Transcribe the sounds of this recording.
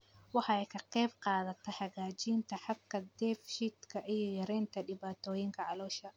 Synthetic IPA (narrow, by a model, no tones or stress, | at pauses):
wɑħɑɛjkʰɐqɛjbqɑːðɐt̪ʰɐħɑɣaːt͡ʃiːnt̪ʰɐħɑbkʰɐd̪ɛfʃɪt̪kʰɐʔijɞjɐɾɛːnt̪ʰɐɖɪβaːt̪ʰɔːjɪŋkʰɐʕɑlɔːʃɐ